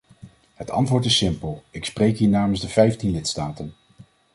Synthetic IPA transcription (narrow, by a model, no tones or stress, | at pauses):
ɦətɑ̰ntʋʊːɹtɪsɪmpəlˠɪksprejkɦiːɹnaːmənzdəv̥ɛjftinlɪtstaːtən